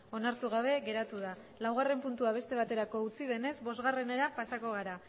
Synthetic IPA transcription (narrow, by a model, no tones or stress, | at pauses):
o̞naɾt̪uɣaβ̞e̞ɣe̞ɾat̪uð̞a | lawɣ̞are̞mpunt̪uaβ̞e̞st̪e̞β̞at̪e̞ɾako̞ut͡siðe̞ne̞zbo̞zɣare̞ne̞ɾapasako̞ɣ̞aɾa